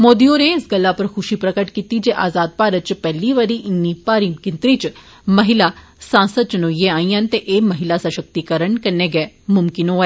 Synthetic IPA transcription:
moːd̪ioːnẽɪsɡəlːaːpəɾxʰʊʃiːpɾəkəʈkiːt̪iːd͡ʒeːʔaːzaːd̪̚paːɾət̪̚t͡ʃpɛːliːʋaɾiːʔɪnːiːpaːɾiːkɪnt̪ɾiːt͡ʃ | məɦɪlaː | sãːnsəd̪̚t͡ʃənoːijẽaːĩjãːnt̪eʔeːməɦɪlaːsəʃək̚t̪ikəɾəɳkɐneːɡɛː | mʊmkɪnɦoːɛː

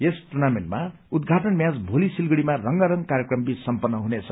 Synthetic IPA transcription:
jesʈunamenma | ud̪ɡʱaʈʌnmjãd͡zbʱolisilɡʌɽimarʌŋɡʌɾʌŋkaɾjekrʌmbissʌmpʌnːʌɦunet͡sʰʌ̥

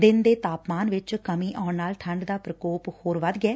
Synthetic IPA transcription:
d̪ɪnd̪eːt̪aːpmaːnʋɪt͡ʃkəmĩːʔãːʊɳnaːlʈʰəɳɖd̪aːpɾəkoːphoːɾʋəd̪ɡɛː

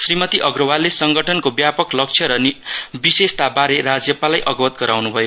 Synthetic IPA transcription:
srimʌt̪iʔʌɡrʌwalesʌŋɡʌʈʰʌnkobjapʌklʌk̚t͡sʰjʌɾʌnibisest̪abaɾeɾad͡zjʌpalajʔʌɡʌwʌt̪ɡʌɾawnubʱʌjo

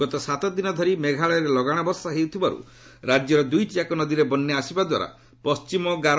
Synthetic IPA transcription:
ɡɔt̪ɔsat̪ɔd̪inɔd̪ʱɔɾimeɡʱaɭɔɾelɔɡaɽ̃ɔbɔɾsaɦeut̪ʰibaɾṵ | ɾad͡ʒjɔɾɔd̪ujt͡ʃiakɔnɔd̪iɾebɔnːɔasibad̪wa̰ɾa̰ | pɔst͡ʃimɔɡaɾ

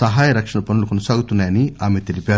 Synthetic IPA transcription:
sɐɦaːjɐɾɐkʂɐɳɐpɐnulukonɐsaːɡut̪unːaːjɐniaːmet̪elipaːɾ

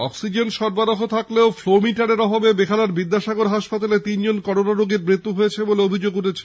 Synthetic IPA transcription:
ɔ̰ksid͡ʑenʃɔɾbaɾoɦot̪ʰakleoflomiʈaɾeɾɔbabebekʰalaɾbid̪ːaʃaɡoɾɦaʃpat̪alet̪ind͡ʑonkɔɾonaɾoɡeɾmɾit̪ːuɦojet͡ɕʰeboleobʱid͡ʑoɡuʈʰet͡ɕʰe̥

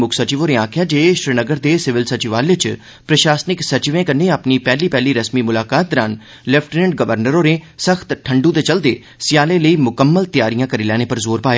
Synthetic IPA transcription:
mʊkʰsət͡ʃɪʋoːneaːkʰɪjaːd͡ʒeːʃɾɪnəɡəɾd̪eːsɪʋɪlsət͡ʃɪʋaːlɪt͡ʃ | pɾəʃaːsnɪksət͡ʃʋẽːkəneːəpniːpɛːliːpɛːliːɾəsmiːmʊlaːkaːt̪̚ːəɾa̰ːn | lɛpʰʈnəɳɖ̚ɡəʋəɾnəɾoːɾeːsəxt̪ʈʰəɳɖũːt̪eːt͡ʃəld̪eː | sɪjaːleːləiːmʊkəmːəlt̪jaːɾijãːkəɾiːlɛːñeːpəɾzoːɾpaːja

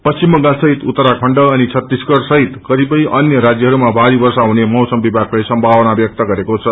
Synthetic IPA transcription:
pʌst͡ɕimːʌ̃ŋɡasʌɦit̪ut̪ːəɾakʰʌɳɖʌːnit͡sʰʌt̪ːiskʌɽsʌɦit̪kʌɾipʌjʌnjʌɾad͡zjʌɦʌɾumabʱaɾibʌrsaɦunemʌwsʌmbibʱaklajsʌmbʱawʌnabjʌk̚t̪ʌɡʌɾekot͡sʰʌ

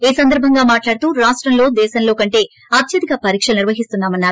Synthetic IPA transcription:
iːsɐnd̪ɐɾbʱɐŋɡaːmaːʈlaːɽt̪uːɾaːʂʈɾɐmlo̞ːd̪ɛːʃɐnlo̞ːkɐɳʈe̞ː | ɐt̪ʰjɐd̪ikɐpɐɾiːkʂɐlniɾʋɐɦist̪unːaːmɐnːaːɾu

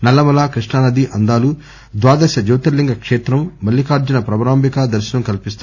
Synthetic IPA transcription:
nɐlːɐmɐlaːkɾiʂɳaːnɐd̪iʔɐnd̪aːlu | d̪ʋaːd̪ɐsɐd͡ʒɐwt̪ɐlːiŋɡɐkʂeːt̪ɾɐmːɐlːikaːɾd͡ʒɐnɐpɾɐbɐɾaːmbikad̪ɐɾʃɐnɐmkɐlipist̪u

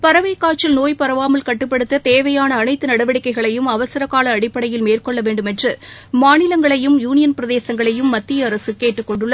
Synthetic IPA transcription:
pɐɾɐʋɐɪkːaːt͡ʃːɐlnoːjpɐɾɐʋaːmɐlkɐʈːɯpːɐɽɯt̪ːɐt̪eːʋɐjaːnɐːnɐɪt̪ːɯnɐɽɐʋɐɽɪkːɐɪɣɐɭɐjɯmɐʋɐsɐɾɐkːaːlɐːɽɪpːɐɽɐjɪlmeːrkɔɭːɐʋeːɳɖɯmɛndrɯmaːnɪlɐŋɡɐɭɐjɯmjuːnɪjɐnpɪɾɐðeːsɐŋɡɐɭɐjɯmːɐt̪ːɪjɐːɾɐsɯkeːʈːɯkːɔɳɖɯɭːɐ

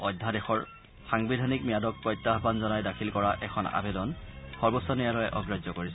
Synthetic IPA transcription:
ɔjdʱːadexɔɹ | xaŋbidʱanik̚mijadɔk̚pɔjtːaɦbanzɔnajdakʰilkɔɹaʔɛkʰɔna̰bedɔnxɔɹbɔsɔnijalɔjɛʔɔɡɹazɔkoɹisɛ

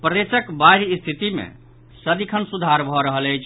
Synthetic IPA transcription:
pɾəd̪esəkbaɾist̪ʰit̪imḛ | səd̪ikʰənsud̪ʱaɾbʱɔɾəɦələjt͡ʃʰ

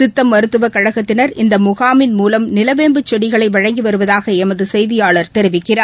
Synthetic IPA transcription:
sɪt̪ːɐmːɐɾɯt̪ːɯʋɐkːɐɻɐɣɐt̪ːɪnɐɾɪnd̪ɐmʊɣaːmɪnmuːlɐmnɪlɐʋeːmbɯt͡ʃːɔɽɪɣɐɭɐɪʋɐɻɐŋɡiʋɐɾɯʋɐðaːɣɐɛmɐðɯsɛjðɪjaːɭɐɾt̪ɛɾɪʋɪkːɪraː

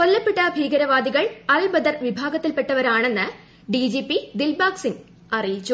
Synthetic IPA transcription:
ko̞lːɐpːeʈːɐbʱiːɡɐɾɐʋaːd̪iɣɐɭɐlbɐd̪ɐrʋibʱaːɡɐt̪ːilpeʈːɐʋɐɾaːɳe̞nːɨ | ɖid͡ʑiːpːid̪ilbaːksiŋ | ɐrijit͡ɕːu

